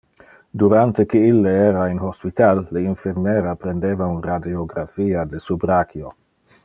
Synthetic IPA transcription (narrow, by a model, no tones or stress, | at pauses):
d̪uɾant̪ekeilːeeɾainhospit̪alːeinfeɾmeɾapɾend̪eːvaunɾad̪ioɡɾafiːad̪esubɾakjo